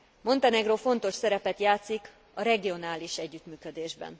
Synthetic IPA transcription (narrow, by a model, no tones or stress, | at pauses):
mo̞nt̪ɛnɛɡrofo̞n̪t̪o̞ʃsɛɾɛpɛt̪jaːt̪sik | ɒɾɛɡijo̞naːliʃɛɟːyt̪myːkød̪eːʒbɛ̰n